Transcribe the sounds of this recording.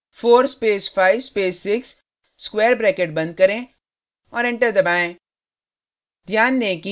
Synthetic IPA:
foːɾspeːsfaːɪiʋspeːsːɪksː | kweːɾbɾɛːkeːʈ̚bɐ̃nd̪̚kɐɾẽ | ɔːɾɪ̃ɳʈəɾd̪ɐbaːẽː | d̪ʱjaːnd̪ẽːki

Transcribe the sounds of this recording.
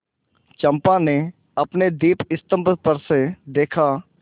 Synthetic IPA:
t͡ʃə̃mpãne | ɐpned̪iːpɪst̪ə̃mpət̪̚pəɾsed̪eːkʰa

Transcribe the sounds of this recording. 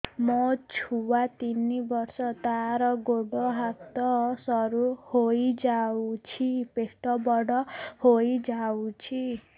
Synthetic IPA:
mɔt͡ʃʰuwat̪inibɔɾsɔt̪aɾɔɡoɽɔɦat̪ɔsɔɾuhojd͡ʒawt͡ʃʰipesʈɔbɔɽɔhojd͡ʒawt͡ʃʰi

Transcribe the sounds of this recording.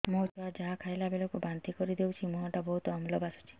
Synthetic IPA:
mot͡ʃɔad͡ʒaɦakʰajlabelɔkubant̪ikɔɾid̪ewt͡ʃʰimuɦɔ̃ʈabɔɦut̪ɔmlɔbasɔ̥t͡ʃʰi̥

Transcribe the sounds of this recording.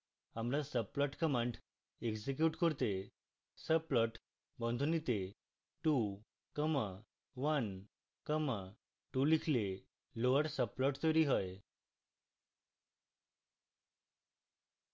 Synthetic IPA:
amɾasəp̚lɔʈkəmãɳʈ | eksek̬juʈkɔɾt̪e | səplɔʈ | bɔ̃nd̪ʱunit̪e | ʈu | kəma | ʋən | kəma | ʈulikʰle | loʋaʈsəbplɔʈt̪əɾiɦɔj

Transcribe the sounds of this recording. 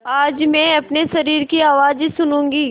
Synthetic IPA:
aːd͡ʒmɛ̃ːɐpnesɐɾiːɾkiaːʋaːzsʊnũːŋɡiː

